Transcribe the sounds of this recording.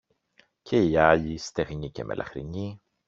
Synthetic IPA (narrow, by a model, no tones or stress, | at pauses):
cʰe̞iɐʎist̪e̞ɣɲicemʔe̞̰lʔɐ̰xɾiɲi